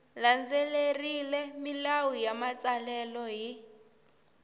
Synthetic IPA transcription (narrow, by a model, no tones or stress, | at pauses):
land͡zelerilɛmilawujamat͡salɛlɔɦi